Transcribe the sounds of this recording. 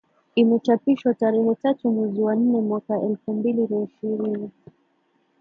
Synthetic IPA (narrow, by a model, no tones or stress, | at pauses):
imɛt͡ʃapiʃwataɾɛhɛtatumwɛziwan̩nɛmwakaʔɛlfumbilinaiʃiɾini